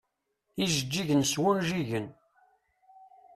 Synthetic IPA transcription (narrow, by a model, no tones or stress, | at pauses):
iʒəd͡ʒːiʝənswunʒiʝən